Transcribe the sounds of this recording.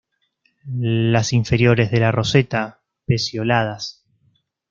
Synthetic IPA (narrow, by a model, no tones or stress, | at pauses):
lasiɱfe̞ɾjo̞ɾezðe̞laro̞set̪a | pesjo̞lað̞as